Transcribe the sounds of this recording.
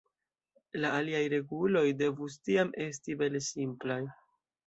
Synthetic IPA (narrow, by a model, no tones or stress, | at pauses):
laːliajɾe̞ɡulo̞jde̞vustiamʔe̞stibelsimplaj